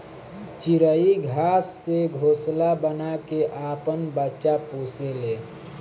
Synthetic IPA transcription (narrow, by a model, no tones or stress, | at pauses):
t͡ʃiɾəiɡʱasːeɡʱoslabənakeʔapənbətːʃaposele